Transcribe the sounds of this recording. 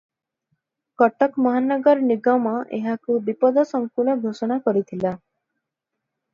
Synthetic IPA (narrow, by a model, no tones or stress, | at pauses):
kɔʈɔkmɔɦanɔɡɔɾɔniɡɔmɔʔḛɦakubipɔd̪ɔsɔŋkulɔɡʱosɔɽ̃akɔɾit̪ʰila